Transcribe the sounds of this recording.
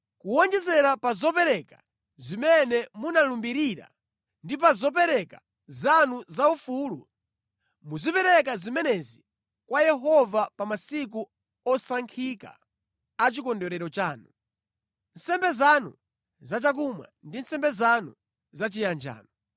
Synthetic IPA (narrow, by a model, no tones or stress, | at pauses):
kuwɔnd͡ʒɛzɛɾapazɔpɛɾɛka | zimɛnɛmunalumbiɾiɾa̰ | ndip̬azɔp̬ɛɾɛka | zanuzaufuːlṵ | muzipɛɾɛk̬azimɛnɛzi | kwajɛɦɔvapamasik̬u | ɔsaŋkʰika̰ | at͡ʃikɔndɔɾɛɾɔt͡ʃaːnu | n̩sɛmbɛzanṵ | zat͡ʃak̬umwa̰ndin̩sɛmbɛzanu | zat͡ʃijand͡ʒa̰ːnɔ